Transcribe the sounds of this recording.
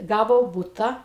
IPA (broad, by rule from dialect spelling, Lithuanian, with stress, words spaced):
ˈɡɑːʋoː ˈbʊtɐ